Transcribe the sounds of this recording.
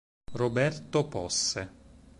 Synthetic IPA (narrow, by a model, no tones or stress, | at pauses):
robɛrt̪opɔsːe